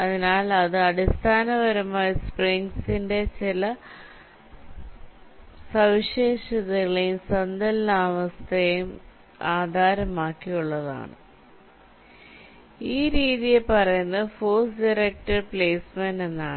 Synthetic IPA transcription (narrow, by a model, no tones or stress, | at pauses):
ɐðinaːlɐðɨɐɽist̪ʰaːnɐʋɐɾɐmaːjɐspriŋɡsinde̞t͡ɕilɐ | sɐʋiɕeːʂɐðɐɣɐɭejumsɐnd̪ɐlnaːmɐst̪ʰejum | aːd̪ʱaːɾɐmaːkːijuɭːɐða̰ːɳɨ̰ | iːɾiːðijepɐrɐjunːɐɨfoːsɖɐrek̚ʈɐrpleːsmenenːaːɳɨ